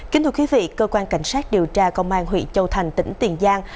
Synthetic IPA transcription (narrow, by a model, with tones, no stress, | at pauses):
ki˨˦t̪ʰːkwi˨˦vḭ˧˨kəː˧kwaː˧nka˧˩jŋ̟saː˦˥t̚ɗi˨˩əwt͡ɕaː˧kə˧wŋ͡mʔaː˧nɦwḭ˧˨t͡ɕə˧wt̪ʰa˨˩jŋ̟t̪ḭ̈˧˥˦ŋ̟t̪i˨˩ənzaː˧ŋ